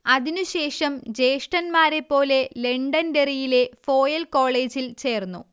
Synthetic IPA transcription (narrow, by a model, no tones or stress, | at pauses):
ɐðinuɕe̞ːʂɐmd͡ʑe̞ːʂʈɐnmaːɾe̞pːo̞ːle̞le̞ɳɖɐnderijile̞fo̞ːjɐlko̞ːɭe̞ːd͡ʑilt͡ɕe̞ːrnːu